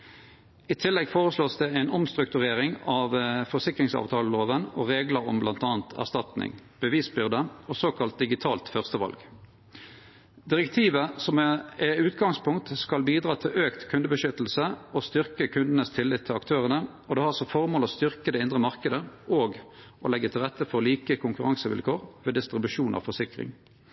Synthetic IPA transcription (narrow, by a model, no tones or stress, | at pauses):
it̪ʰɪlːɛɡfoːʁəsloːsd̪ɛæɪnɔmst̪ʁʉkt̪ʉʁeːʁɪŋɑʋfɔsɪkʁɪŋsɑ̰ːʋt̪ʰɑːləloːʋənɔʁeːɡləɾɔ̰mblɑnt̪ɑːnt̪ʰæ̰ʁst̪ɑt̪nɪ̰ŋb̥əʋiːsbʏʁd̪əɔsoːkʰɑlt̪̚d̪ɪɡɪt̪ʰɑːlt̪fœʁst̪əʋɑ̰lɡ | d̪ɪʁɛkt̪ʰiːʋəsɔmɛʉːt̪ɡɑŋspʰʊŋkt̪skɑlbiːd̪ʁɑːt̪ʰɪlʔøːkt̪kʰʉnd̪əbəʃʏt̪l̩səɔst̪ʏʁkəkʰʉnd̪ən̩əst̪ʰɪlːɪt̪ʰːɪlɑkt̪ʰøːʁənə | ɔd̪ɛhɑʁɔsɔfɔʁmoːlɔst̪ʏʁkəd̪ɛɪnd̪ʁəmɑʁkəd̪əoːɡ | ʔɔlɛɡːət̪ʰɪlʁɛt̪ʰːəfɔʁliːkəkʰʊŋkʉʁɑŋsəʋɪ̰lkʰoːʁʋeːd̪ɪst̪ʁɪbʉʂuːnʔɑ̰ʋfɔsɪkʁɪ̰ŋ